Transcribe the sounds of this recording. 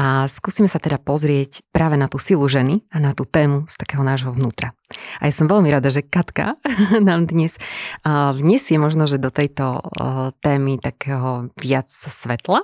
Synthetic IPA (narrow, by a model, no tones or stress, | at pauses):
ʔaskuːsimɛsat̪ɛd̪apɔzɾɪɛcpɾʔaːʋɛnat̪uːsilˠuʒɛnianat̪uːt̪ɛːmust̪ḁkɛːɦɔnaːʒɦɔʋnuːt̪ɾaa̰jasɔmʋɛʎmiɾad̪aʒɛkat̪ka̰naːmd̪ɲɛs | vɲɛsɪɛmɔʒnɔʒɛd̪ɔt̪ɛjt̪ɔt̪ɛːmit̪akɛːɦɔʋɪat͡ssʋɛt̪la